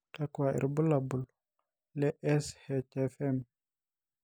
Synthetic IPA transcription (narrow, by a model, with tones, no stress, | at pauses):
ka˦kwa˨ʔḭ˨ɾbu˦la˨bu˨l | lɛ˦ʔɛ˦shɛ˨t͡ʃe˦fɛ˦m